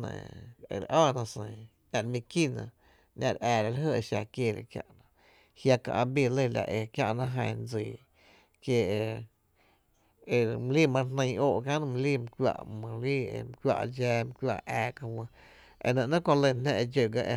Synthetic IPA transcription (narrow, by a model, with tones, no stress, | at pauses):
nḛ̃˨ḛ˨ɾʔɔː˦˨nã˧sẽ˨ | nʲã˧˨ɾmĩ˧ki˦˨nã̰˧ | ɲʲʔã˧˨ɾʔɛː˨ɾa˧la˧˦ɦə˧˨e˧ʃa˧˨kjeː˧˨ɾḛ˧˨kja̰˦ʔnã˧ | hja˧kã̰˧˨ʔã˧bi˧lə˧˨la̰˧˨ʔe˧kja˦ʔnã˧ɦã˧˨nd͡ziː˨ | ke˧e˧ | e˧˨m˧liː˦˨mã˧nnə̃˧˨oː˦ʔkã˦nɨ̃˧m̃˧liː˦˨m˧kʷjʲa̰˧ʔmã˧˨lḭ˦˧m˧kwʲa̰˧ʔd͡ʒɛː˧m˧kʷja̰˧ʔɛː˧ka˧wə̃˧ | ḛ˧nẽ˧ʔnã˦kõ˧lə˧nnã˧ʔe˧d͡ʒə˧˨ɡa˧ʔe˧